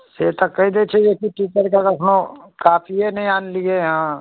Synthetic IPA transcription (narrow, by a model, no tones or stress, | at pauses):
set̪əkːəid̪et͡ʃʰɛjekiʈiːt͡ʃəɾkakɐpnõkaːpʰienəɦĩaːnlieɦãː